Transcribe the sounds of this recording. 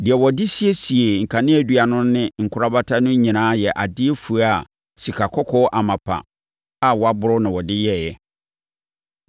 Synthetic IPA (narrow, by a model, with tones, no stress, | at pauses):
dɪ˨ɛ˨wɔ˨dɪ˦si˦e˦si˨e˨ŋ̩˨kʰa˨nɪ̃˦æ˨dɥa˨nʊ̃˦nɪ̃˦ŋ̩˨kʰʊ˦ɾa˦ba˦tʰa˦nʊ̃˦ɲĩ˨nãː˨˦jɛ˨ʔa˨dɪ˦e˦fu˨a˦˨ | si˨kʰa˨kʰɔ˦kʰɔ˦ʔa˨mã˨pʰa̰˨ | a˨wɔ˨a˦bʊ˦ɾʊ˦nã˨wɔ˨dɪ˦jɛ˦˨jɛ˦